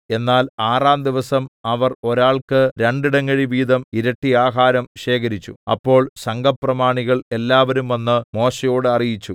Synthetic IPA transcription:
e̞nːaːlaːraːmd̪iʋɐsɐmɐʋɐro̞ɾaːɭkɨɾe̞ɳɖiɽɐŋːɐɻiʋiːd̪ɐmiɾɐʈːiaːɦaːɾɐmɕe̞ːkɐɾit͡ɕːṵɐ̰pːo̞ːɭsɐŋɡʱɐprɐmaːɳiɣɐɭe̞lːaːʋɐɾumʋenːɨmo̞ːɕɐjo̞ːɽɨɐrijit͡ɕːu

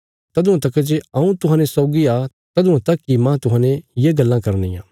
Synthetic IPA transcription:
t̪ɐd̪ũãt̪ɐkd͡ʒeɐũt̪ʊɦaːnẽsɔːɡia | t̪ɐd̪ũãt̪ɐkːimãt̪ʊɦãːnẽjeɡɐlːãkɐɾnḭjã̰ː

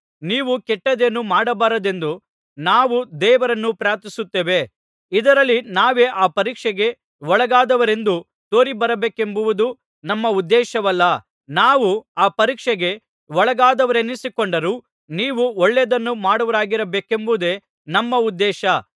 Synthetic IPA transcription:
niːʋukɛʈːɐd̪enːumaːɽɐbaːɾɐd̪e̞nd̪u | naːʋud̪ɛːʋɐɾɐnːupɾaːɾt̪isut̪ːeːʋe̞ | id̪ɐɾɐlːinaːʋe̞ːʔaːpɐɾiːkʂɛɡe̞ | ɔɭɐɡaːd̪ɐʋɐɾe̞nd̪u | t̪o̞ːɾibɐɾɐbeːke̞mbuʋud̪u | nɐmːɐud̪ːɛːʃɐʋɐlːɐ | naːʋuaːpɐɾiːkʂɛɡe̞ | ɔɭɐɡaːd̪ɐʋɐɾenisikoɳɖɐɾu | niːʋuɔɭːed̪ɐnːumaːɽɐʋɐɾaːɡiɾɐbeːke̞mbud̪e̞ | nɐmːɐud̪ːɛːʃɐ

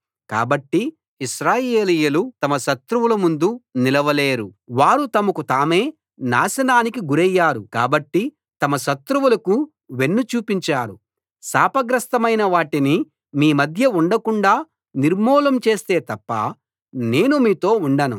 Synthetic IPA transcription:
ka̰ːbɐʈːi | iʃɾaːjeːlijɐlut̪ɐmɐʃɐt̪ɾuʋulɐmund̪unilɐʋɐle̞ːɾuʋaːɾut̪ɐmɐkut̪aːme̞ː | na̰ːʃɐnaːnikiɡuɾɛjːaːɾuka̰ːbɐʈːi | t̪ɐmɐʃɐt̪ɾuwulɐku | ʋe̞nːut͡ʃuːpiɲt͡ʃaːɾu | saːpɐɡɾɐst̪ɐmɐjnɐʋaːʈini | miːmɐd̪ʱjɐuɳɖɐkuɳɖaː | niɾmɔːlɐmt͡ʃe̞ːst̪e̞ːt̪ɐpːɐ̰ | ne̞ːnumiːt̪o̞ːuɳɖɐnṵ

